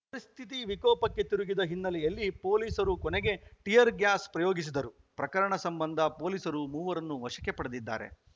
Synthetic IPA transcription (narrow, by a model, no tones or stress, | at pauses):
pɐɾist̪ʰit̪̬iʋikɔːpɐkːe̞t̪iɾuɡid̪ɐɦinːɐliɐlːipo̞ːliːsɐɾukɔneɡe̞ʈijɐɾɡjaːspɾɐjoːɡis̬id̪ɐɾu | pɾɐkɐɾɐɳɐsɐmbɐnd̪ʱɐpo̞ːliːsɐɾumuːʋɐɾɐnːuʋɐʃɐkːepɐɽɐd̪id̪ːa̰ːɾe̞̰